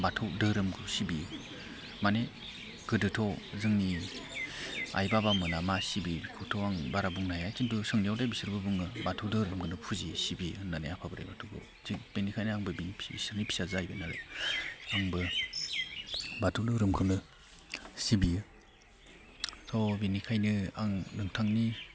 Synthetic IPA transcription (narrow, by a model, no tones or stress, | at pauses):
batʰɯwdɯɾɯmɡɯsibiɯ | mane | ɡ̥ɯdɯtʰɔwzɯŋni | a̰jbabamɯnamasibibikʰɔtʰɔwaŋbaɾabuŋnajajkintusɯŋnijawdajbisɯɾbɯbɯŋɯbatʰɯwdɯɾɯmɡɯnɯpʰuzisibinanḛapʰabɯɾa̰jbatʰuɡɯ̰ | zib̥enikʰajnɯaŋbɯbinipʰbisɯɾnipʰi̥sazaajbɯnalɯ̰ | aŋbɯ | batʰɯwdɯɾɯmkʰɯmnɯ | sibiɯ | tʰɔbenikʰajnɯaŋnɯŋtʰaŋni